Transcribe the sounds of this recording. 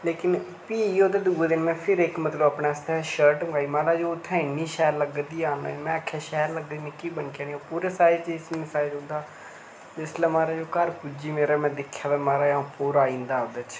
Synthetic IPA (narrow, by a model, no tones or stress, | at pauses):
leːkɪn | piːoːd̪eːd̪uːd̪eːmɛ̃ːpʰɪɾɪkmət̪ləbəpɳaːst̪ɛːʃəɾʈmɡaːiːmaːɾaːd͡ʒoːt̪ʰɛ̃ːniːʃɛːɾləɡd̪iːaːnamɛ̃ːəkʰːaːʃɛːɾləɡd̪iːmɛ̃ːkiːbəɳkãːniːpuːɾeːsaːd͡ʒt͡ʃeɪsnɪsaːɪd͡ʒɦõːnd̪aː | d͡ʒɪslɛ̃ːmaːɾaːd͡ʒoːkəɾkʊd͡ʒiːmeːɾaːmɛ̃ːd̪ɪkʰːjaːd̪aːmaːɾaːjãpoːɾaːĩːnd̪aːod̪at͡ʃʰ